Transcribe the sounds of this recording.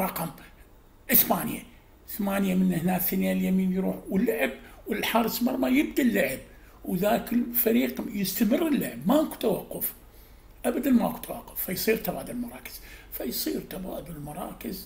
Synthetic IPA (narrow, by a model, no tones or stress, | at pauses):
ɾˤɑqɑm | ʔɪθbaːnja̰ | θmaːnjamɪnhnaːkθanjaljamiːnjɾuːħwɪlːʊʕɪb̚wɪlħɑɾˤsˤmɑɾˤːmɑjɪb̚d̪alːaʕɪb̚ | wðaːkəlfaɾiːqjɪst̪amərːɪlːaʕbmaku̥t̪awɑqːʊf | ʔabad̪anmaʔku̥t̪awa̰qːʊ̥fːajsˤiːɾt̪abaːd̪ʊlmɑɾˤɑːkɪ̥z̥fajsˤiːɾt̪aba̰ːd̪ʊllmɑɾˤɑ̰ːkɪz